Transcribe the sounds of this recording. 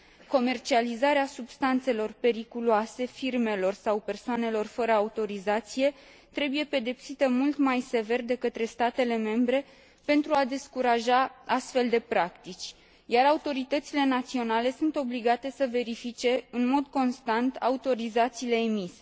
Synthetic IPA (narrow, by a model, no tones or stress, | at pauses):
ko̞me̞rt͡ʃializaɾeasubst̪ant̪se̞lo̞rpe̞ɾikuluase̞firme̞lo̞rsawpe̞rsoane̞lo̞rfəɾəaut̪o̞ɾizat̪sije̞ | t̪ɾe̞buje̞pe̞d̪e̞psit̪əmult̪majse̞ve̞rd̪e̞kət̪ɾe̞st̪at̪e̞le̞me̞mbɾe̞ | pe̞nt̪ɾuad̪e̞skuɾaʒaast̪fe̞ld̪e̞pɾakt̪it͡ʃʲ | jaɾaut̪o̞ɾit̪ət̪sile̞nat̪sio̞nale̞sunt̪o̞bliɡat̪e̞səve̞ɾifit͡ʃe̞ɨnmo̞d̪ko̞nst̪ant̪aut̪o̞ɾizat̪siːle̞ːmise̥